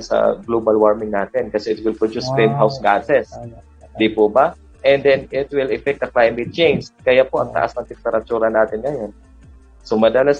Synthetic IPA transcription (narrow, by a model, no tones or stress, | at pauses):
sɐ̰ɡlobɐlwaɹmɪŋnaːt̪ɪnkɐsɛɪt̪̚wɪlpʊd͡ʒʊspɛnɦawsɡaːsɛs | d̪ipʊba | ʔɛnd̪ɛnɪt̪̚wɪlɛfɛk̚t̪ɐklajmɪt̪̚t͡ʃejnskɐjapo̞ʔɐŋt̪ɐ̰ʔa̰snɐŋt̪ɛmpɛɾɐt̪uːɾɐnaːt̪ɪnŋɐjon | somɐd̪ɐla